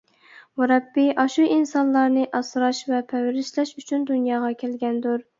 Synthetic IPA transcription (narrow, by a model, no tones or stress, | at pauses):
muɾɑbːɪʔɑʃuʔinsɑnlˠːɑɾnɨʔɑsɾɑʃvɛpʰɛwɾɪʃlɛʃyt͡ʃʰynd̪unjɑːʁɑkʲʰælɡʲɛnd̪uɾ